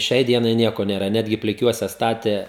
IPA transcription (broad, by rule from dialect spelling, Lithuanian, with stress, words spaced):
ˈʃʲɛɪ ˈdʲiɛnɐɪ ˈnʲiɛkoː nʲeːˈrɐ ˈnʲæːdʲɡʲɪ pʲlʲɪˈkʲuɔsʲɛ ˈstɑːtʲeː